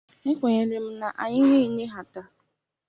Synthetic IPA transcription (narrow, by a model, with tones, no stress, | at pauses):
ŋ̩˦kʷe˨ɲe˦lɪ˦m̩˦na˨ʔa˨ɲɪ˦ne˦i˦ne˦ɦa˨ta˦